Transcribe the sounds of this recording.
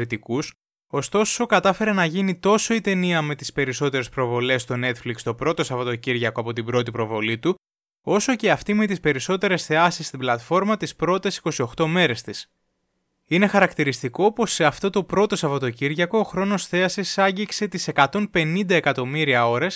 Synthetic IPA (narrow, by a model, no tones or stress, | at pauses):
ɾit̪ikus | o̞st̪o̞so̞kɐt̪ɐfe̞ɾe̞nɐʝinit̪o̞so̞it̪e̞niɐme̞t̪i̥spe̞ɾiso̞t̪e̞ɾe̞spɾo̞vo̞le̞st̪o̞ne̞t̪flikst̪o̞pɾo̞t̪o̞sɐvɐt̪o̞ciɾʝɐko̞ɐpo̞t̪ibɾo̞t̪ipɾo̞vo̞lit̪u | o̞so̞ceɐft̪ime̞t̪ispe̞ɾiso̞t̪e̞ɾe̞sθe̞ɐsist̪iblɐt̪fo̞ɾmɐt̪ispɾo̞t̪e̞si̥ko̞sio̞xt̪o̞me̞ɾe̞st̪is | ine̞xɐɾɐkt̪iɾist̪iko̞po̞seɐft̪o̞t̪o̞pɾo̞t̪o̞sɐvɐt̪o̞ciɾʝɐko̞ːxɾo̞no̞sθe̞ɐsisɐɲɟikse̞t̪ise̞kɐt̪o̞npe̞nind̪ɐe̞kɐt̪o̞miɾiɐo̞ɾes